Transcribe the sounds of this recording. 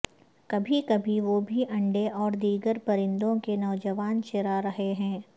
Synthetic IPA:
kɐbʱikɐbʱiʋobʱiʔɐ̃ɳɖeʔɔːɾd̪iːɡəɾpɐɾɪ̃nd̪õkenɔːd͡ʒəʋaːnt͡ʃɪɾaɾɐɦeɦɛ̃ː

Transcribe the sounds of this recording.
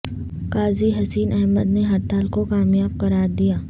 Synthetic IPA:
kaːziɦɐsiːnʔɛɦməd̪neɦɐɾt̪aːlkokaːmjaːb̚kɐɾaːɾd̪ijaː

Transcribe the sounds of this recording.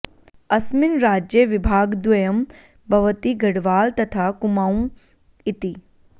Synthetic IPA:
ɐsmɪnɾaːd͡ʒjəʋɪbʱaːɡd̪ʋɐjɐm | bʱɐʋət̪iɡʱɐɽʋaːlt̪ɐt̪ʰaːkʊmaːũ | ɪt̪i

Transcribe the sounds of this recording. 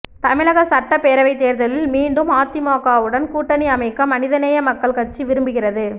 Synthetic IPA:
t̪ɐmɪɻɐɣɐsɐʈːɐpeːɾɐʋɐɪt̪ːeːɾðɐlɪlmiːɳɖɯmaːt̪ːɪmaːkaːʋɯɽɐnkuːʈːɐniɐmɐɪkːɐmɐnɪðɐnɐjɐmɐkːɐɭkɐʈt͡ʃːiʋɪɾɯmbɯɣɪrɐðɯ

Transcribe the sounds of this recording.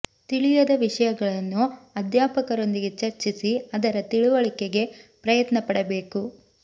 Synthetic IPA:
t̪iɭijɐd̪ɐʋiʂɐjɐɡɐɭɐnːuɐd̪jaːpɐkɐɾo̞nd̪iɡe̞t͡ʃɐɾt͡ʃisiɐd̪ɐɾɐt̪iɭuʋɐɭikeɡe̞pɾɐjɐt̪nɐpɐɽɐbe̞ːku

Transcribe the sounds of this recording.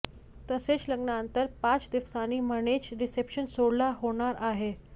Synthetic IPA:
t̪əset͡sləɡɳaənt̪əɾpat͡sd̪iʋsaniːməɽ̃et͡sɾisepɕənsoɽlaɦoɽ̃aɾaɦe

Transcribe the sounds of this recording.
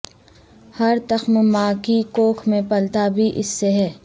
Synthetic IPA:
hɐɾt̪ɐxmmaːkikoːkʰmẽpɐlt̪abʱiʔɪsːeɦɛː

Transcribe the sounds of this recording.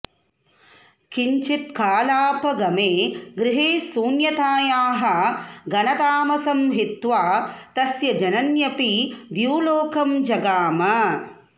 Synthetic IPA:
kiɲt͡ʃit̪̚kaːlaːpɐɡɐmeːɡɾɪɦeːsuːnjɐt̪aːjaːɦɐ̆ɡɐnɐt̪aːmɐsɐmɦit̪ʋaːt̪ɐsjɐd͡ʒɐnɐnjɐpid̪juːloːkɐmd͡ʒɐɡaːmɐ

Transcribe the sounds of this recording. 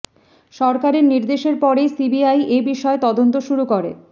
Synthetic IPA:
ʃɔɾkaɾeɾniɾd̪eʃeɾpɔɾejsibiajʔebiʃɔet̪ɔd̪ont̪oʃuɾukoɾḛ

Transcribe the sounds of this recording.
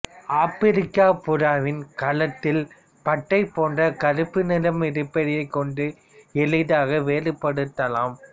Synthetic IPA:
aːpɪɾɪkːaːpʊɾaːʋɪnkɐlɐt̪ːɪl | pɐʈːɐɪpoːndrɐkɐɾɯpːɯnɪlɐmɪɾɯpːɐɽɪjɐɪkːɔɳɖɯ | ɛɭɪðaːɣɐʋeːlɯpːɐɽɯt̪ːɐlaːm

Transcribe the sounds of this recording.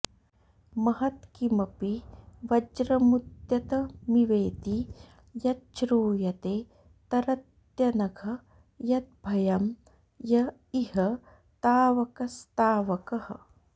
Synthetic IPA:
mɐɦɐt̪kimɐpiʋɐd͡ʒɾɐmut̪jɐt̪ɐmiʋeːt̪i | jɐt̪̚t͡ʃɾuːjɐt̪eː | t̪ɐɾɐt̪ | jɐnɐɡʰʱɐ | jɐt̪̚bʱɐjɐm | jɐ | ihɐ | t̪aːʋɐkɐst̪aːʋɐkɐhɐ̰̆

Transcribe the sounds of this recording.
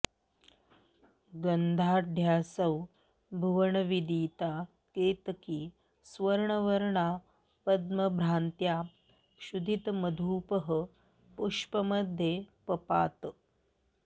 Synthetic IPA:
ɡənd̪ʱaːɖʱjaːsəw | bʱuʋəɳəʋid̪iːt̪a | ket̪kiː | sʋəɾɳəʋəɾɳa | pəd̪məbʱɾant̪ja | ɕud̪ʱit̪məd̪ʱuːpəɦə | puʂpəməd̪ʱjepəpaːt̪

